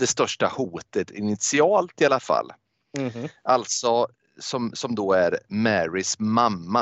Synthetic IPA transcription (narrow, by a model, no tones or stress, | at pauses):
d̪ɛst̪œʂʈahuːt̪ət̪ʰɪ̰nɪt̪sɪɑːlt̪ɪalafa̰lː | ʔalt̪sɔ | sɔmsɔmd̪oːæɾmæɾɪsmamːa